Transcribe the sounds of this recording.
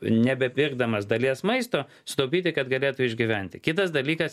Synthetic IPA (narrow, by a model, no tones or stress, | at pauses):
nʲɛbʲɛpʲɪɾɡ̚d̪ɐmɐsd̪ɐlʲiɛsmɐɪst̪oː | sʊt̪oʊpʲiːt̪ʲɪkɐd̪ɡɐlʲeːt̪ʊɪʒʲɡʲɪʋʲænʲt̪ʲɪkʲɪt̪ɐsd̪ɐlʲiːkɐs